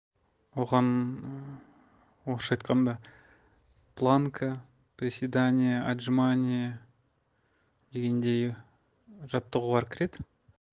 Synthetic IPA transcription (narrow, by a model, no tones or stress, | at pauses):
wo̞ʁɑn | woʃɑjt̪̚qɑnd̪ɑ | plˠaŋkʰə | pɾʲɪsʲed̪anʲijəʔaʒmanʲijə | d̪̥e̞ɡʲe̞nd̪e̞j | ʒɑt̪ːəʁuʁɑɾkʲʰɪɾe̞d̪ɪ